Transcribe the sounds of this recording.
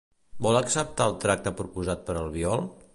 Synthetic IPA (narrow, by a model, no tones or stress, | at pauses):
bɔləksəp̚t̪aəlˠt̪ɾak̚t̪əpɾupuzat̪̚pəɾəlˠβiɔlˠ